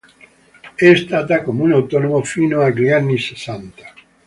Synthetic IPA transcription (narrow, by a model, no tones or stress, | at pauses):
est̪at̪akomunawt̪onomofinoaɡlianisesant̪ḁ